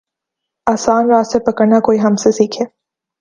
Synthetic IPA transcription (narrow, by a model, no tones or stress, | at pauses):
aːsaːnɾaːsepɐkəɾnakoːiɦɐmsesiːkʰeː